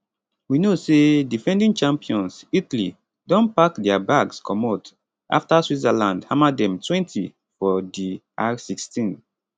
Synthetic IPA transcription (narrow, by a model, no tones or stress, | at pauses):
winosedifɛ̃ndĩŋt͡ʃãmpiɔ̃nsitli | dɔ̃npakdɛabaɡskʰɔ̃mat | ʔa̰ftaswizalãndhãmadɛ̃mtʰwɛ̃ntʰi | fɔdiʔasikstĩn